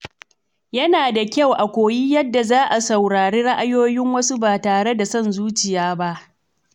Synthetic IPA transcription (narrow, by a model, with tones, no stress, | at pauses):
jɐ˦naː˨da˨kʲa˦˨wʔa˨kʷoː˨ji˦jɐ˦dːa˨zaː˦ʔa˨sa˨wɽaː˨ɽeː˦ɽɐ˦ʔa˦joː˦jɪ˦ŋwɐ˦su˦baː˨taː˨ɽe˦da˨sɐ˦˨nzuː˦t͡ʃɪ˨jaː˦ba˦ʔ